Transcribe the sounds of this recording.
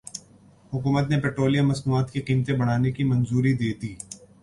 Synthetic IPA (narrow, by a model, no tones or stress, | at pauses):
hʊkuːmət̪nepɛːʈɾoːlijamɐsnuːaːt̪kiqiːmt̪ẽbɐɽ̤aːnekimɐ̃nzuːɾid̪eːd̪iː